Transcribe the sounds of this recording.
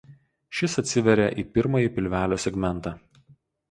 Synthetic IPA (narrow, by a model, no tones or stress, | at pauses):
ʃʲɪsɐt̪ʲsʲɪʋʲɛɾʲeʔiːpʲɪɾmɐjipʲɪlʲʋʲæːlʲoːsʲɛɡʲmʲɛnt̪ɑː